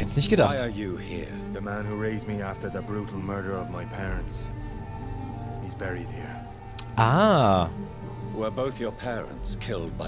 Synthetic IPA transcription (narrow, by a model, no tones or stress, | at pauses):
hɛtsnɪçtɡ̥ədaχɪə˞jɨhḭɹ | ðɨmæ̃nhuɹeɪzmiæftə˞ðəbɹuɾʰl̩ˠmɜ˞ɾə˞ʌvmaɪpʰɛɹə̃nts | hizbɛɹid̥̚hiɹ | ʔa | wə˞boʊθjə˞pʰɛɹə̰̃ntskʰɪlˠd̚baɪ